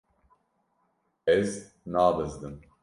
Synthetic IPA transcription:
ɛz | naːvɨzd̪ɨm

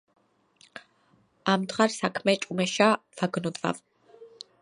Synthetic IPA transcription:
amd̪ʁaɾsakʰmɛt͡ʃʼumɛʃav̥aɡnɔd̪va̰v

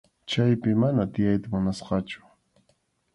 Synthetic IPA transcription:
t͡ʃajpɪmanat̪ɪjajt̪amʊnasqɑt͡ʃʊ̥

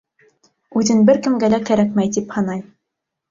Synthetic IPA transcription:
ʉðɘnbɘɾkɘ̆mɡælækæɾæk̚mæjt̪iphɑnɑj

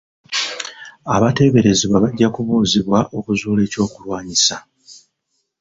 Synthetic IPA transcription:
aβate̞ːβe̞ɾe̞ziβwaβaɟːakuβuːziβwaʔo̞kuzuːle̞ːco̞ːkulwaːɲisa

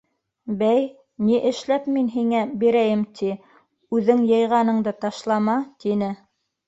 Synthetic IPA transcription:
bæj | niʔɘ̆ʃlæpminɦiŋæbiɾæjɘmt̪ʰi | ʉðɘŋjɤ̆jʁɑnɤ̆ɴd̪ɤt̪ɑʃlˠɑmɑt̪inɘ

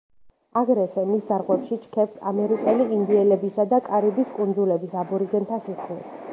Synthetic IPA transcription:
aɡɾɛsɛmisd̪aɾʁwɛpʃit͡ʃʰkʰɛpt̪ʰa̰mɛɾikʼɛliind̪iɛlɛbisad̪akʼaɾibiskʼund̪zulɛbisabuɾiɡɛnt̪ʰasisχlḭ

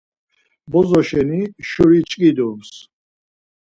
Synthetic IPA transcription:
bɔzɔʃɛniʃuɾit͡ʃʼkʼid̪ums

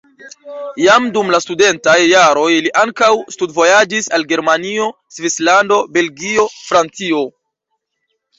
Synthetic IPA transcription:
jamdumlastude̞ntajːaɾo̞jliʔaŋkawstudvo̞jad͡ʒisalɡe̞ɾmanio̞ | svislando̞be̞lɡio̞fɾant͡sio̞

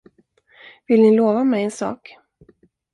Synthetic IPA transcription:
vɪlnɪloːvamɛjɛnsɑ̰ːk

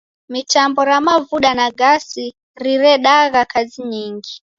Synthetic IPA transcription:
mit͡ʃambɔɾamavuɗanaɡasi | riɾɛɗaɣakʰaziɲiŋɡi

